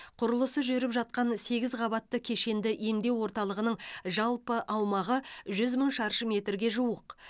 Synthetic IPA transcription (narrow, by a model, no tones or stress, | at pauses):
qʰʊɾəlˠəsəʒʏɾɪpʒɑt̪̚qɑnse̞ɡʲɪzʁɑβɑt̪ːəkʲʰe̞ʃe̞nd̪ɪʔemd̪e̞wwo̞ɾt̪ɑlˠəʁənəɴʒɑlˠpəʔɑwmɑʁəʒʏzməɴʃɑɾʃəme̞t̪ɾɡʲe̞ʒuwəq